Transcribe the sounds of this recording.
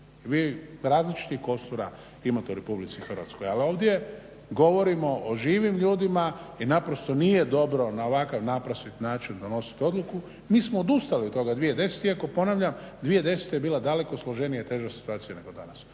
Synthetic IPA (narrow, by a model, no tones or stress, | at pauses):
ʋiːɾaːzlit͡ʃi̥t̪ixko̞st̪uɾa | imat̪euɾe̞publit̪sixr̩ʋa̰t̪skojalio̞ːʋd̪je̞ | ɡo̞ʋo̞ɾimo̞ʔoʒiːʋimʎuːd̪imainapɾo̞st̪o̞nije̞d̪o̞bɾo̞naoʋakaʋnapɾasit̪naːt͡ʃind̪o̞no̞si̥t̪o̞d̪lˠuku | miːsmoːd̪ust̪aliut̪o̞ɡad̪ʋije̞d̪e̞set̪eako̞po̞naʋʎʲamd̪ʋije̞d̪e̞set̪ejebiːlad̪ale̞ko̞slˠo̞ʒe̞nijait̪e̞ʒasi̥t̪uaːt̪ijane̞ɡo̞d̪anas